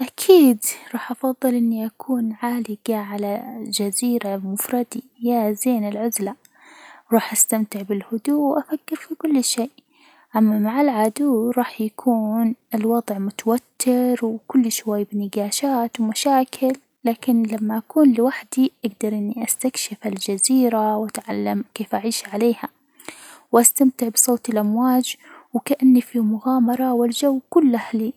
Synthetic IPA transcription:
ʔakʰiːd̪ɾˤɑːħʔɑfɑðˤːɨlʔɪnːiʔakʰuːnʕaːlɪɡaʕalad͡ʒaziːɾabmʊfɾˤɑd̪ijazeːnɪlʕʊzla | wɾˤɑːħʔast̪amt̪ɪʕbɪlhʊd̪uːwʔafakːɪɾfikʊlːʃeːʔ | ʔamːamaʕɪlʕad̪uːɾˤɑːħjakʰuːnɪlwɑd̪ˤʕmʊt̪awat̪ʰːɪɾwkʊlːʃwajːbɪnɪɡaːʃaːt̪wmaʃaːkʰɪlːaːkɪnlamːaʔakuːnlɪwaħd̪iʔaɡd̪ɑɾˤʔɪnːiʔast̪akʃɪfald͡ʒaziːɾawʔat̪ʕalːamkeːfʔaʕiːʃʕaleːha | wʔast̪amt̪ɪʕbsˤoːt̪ɪlʔamwaːd͡ʒwkaʔanːifimʊɣaːmɑɾˤɑwɪld͡ʒawːkʊlːʔahli

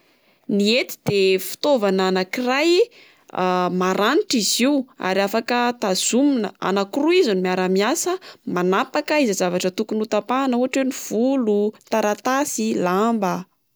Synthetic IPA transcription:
niet̪i̥d̪̥efi̥t̪ovananakiraj | maɾaniʈ͡ʂiziua̰ɾafakət̪az̥uminə̰a̰nakuruizanimiaɾamiasəmanapakəizazavaʈ͡ʂət̪ukunut̪apanuɦaʈ͡ʂweniv̥ulut̪aɾat̪asilambə

